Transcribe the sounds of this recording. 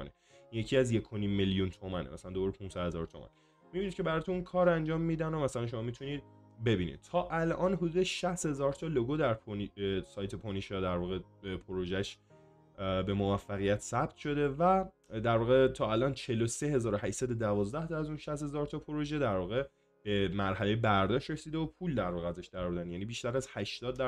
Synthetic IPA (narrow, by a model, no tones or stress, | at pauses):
nḭ | injecʰiæzje̞kʰoniːmːeljunt̪ʰomænḛmʔæsælænd̪obɒːɾepʰũnsæd̪he̞zɒ̰ɾt̪ʰo̰mæ̰n | mibinid̪̚cʰe̞bæɾɒːt̪unnkʰɒːɾænd͡ʒɒːmːiːd̪ænomæsælænʃ̬o̞mɒːmit̪ʰuniːd̪̥̚ | be̞biːnḭd̪̥̚t̪ʰɒːʔælʔɒːnɦud̪uːd̪eʃæst̪he̞zɒːɾt̪ʰɒːloɡod̪æɾpʰnisɒːjt̪ʰepʰoniʃjɒːd̪æɾvɒːɣeepʰoɾoʒæʃ | be̞mo̞væfːæɣijæt̪ʰsæb̚t̪ʰʃo̞d̪e̞væ | d̪æɾvɒːɣet̪ʰɒːælʔɒːnt͡ʃʰe̞lo̞se̞he̞zɒːɾohæʃsæd̪ed̪ævɒːzd̪æht̪ʰɒæzunʃæst̪he̞zɒːɾt̪ʰɒːpʰoɾoʒed̪æɾvɒːɣe̞ | b̥emæɾɦælejebæɾd̪ɒːʃɾe̞siːd̪eopʰuːld̪æɾvɒːɣeæzæʃd̪æɾbud̪ænjæniːbiːʃt̪æɾæzhæʃt̪ɒːd̪ːæ